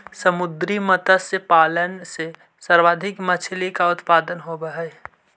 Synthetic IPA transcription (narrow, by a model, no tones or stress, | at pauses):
səmʊd̪ɾimət̪əsepaːlənse | səɾʋaːd̪ʱɪkmət͡ʃʰɪlikaʊt̪paːd̪ənɦobəɦɛ